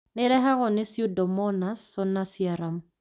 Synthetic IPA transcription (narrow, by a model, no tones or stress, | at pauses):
nɪɾɛɦaɣɔnɪsjudɔmɔnasːɔnasiaɾam